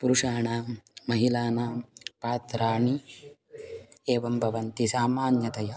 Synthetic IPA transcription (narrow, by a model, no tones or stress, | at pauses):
puɾuʂaːɳaːmɐɦilaːnaːpaːt̪ɾaːɳi | eːʋɐmbʱɐʋɐnt̪isaːmaːnjɐt̪ɐjɐ